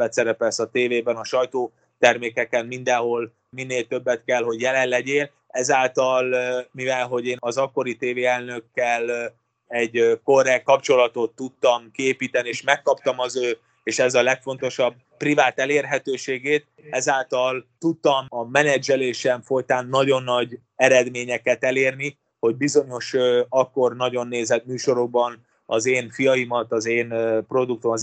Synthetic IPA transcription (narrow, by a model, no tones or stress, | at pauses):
ɛt̪sɛɾɛpɛlsɒt̪eːveːbɛnɒʃɒjt̪oː | t̪ɛrmeːkɛkɛnmind̪ɛnɦo̞l | minːeːlt̪øbːɛt̪kɛlɦo̞ɟjɛlɛlːɛɟeːl | ɛzaːlt̪ɒlmivɛlɦo̞ɟeːnɒzɒkːo̞ɾit̪eːveːɛlnø̞kːɛl | ɛɟko̞rɛkːɒpt͡ʃo̞lɒt̪o̞t̪ːut̪ːɒmkieːpiːt̪ɛnieːʃmɛkːɒpt̪ɒmɒzøː | eːʃɛzɒlɛkfo̞n̪t̪o̞ʃɒb̚ | privaːt̪ɛleːrɦɛt̪øːʃeːɡeːt̪̚ | ɛzaːlt̪ɒlt̪ut̪ːɒmɒmɛnɛd͡ʒɛleːʃɛɱfo̞jt̪aːnːɒɟo̞nːɒɟ | ɛɾɛd̪meːɲɛkɛt̪ɛleːrni | ho̞ɟ̚bizo̞ɲo̞ʃɒkːo̞rnɒɟo̞nːeːzɛt̪myːʃo̞ɾoɡ̚bɒn | ɒzeːnfijɒjimɒt̪ɒzeːnpro̞d̪uk̚t̪omɒ